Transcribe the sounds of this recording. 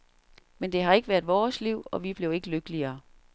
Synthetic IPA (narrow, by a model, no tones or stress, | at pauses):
mend̥e̝ɦɑ̈e̝ɡ̥əʋæɐd̥ˠʋɒːsliʊ̰ɒ̽ʋib̥le̝ʊe̝ɡ̥əløɡ̥əliɐː